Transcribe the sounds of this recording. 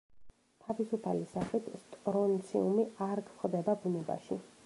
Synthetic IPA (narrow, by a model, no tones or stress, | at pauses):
t̪ʰavisupʰalisaχit̪ʰst̪ʼɾɔnt̪sʰḭumiaɾkʰfχd̪ɛbabunɛba̰ʃḭ